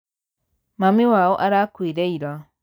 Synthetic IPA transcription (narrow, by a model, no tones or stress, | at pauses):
mamiwaoʔaɾakwiːɾeiɾwa